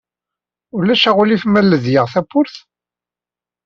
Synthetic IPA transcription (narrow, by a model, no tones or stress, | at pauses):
ʊlːæʃæʁʊlifmælːəðjəʁθæpːʊɾθ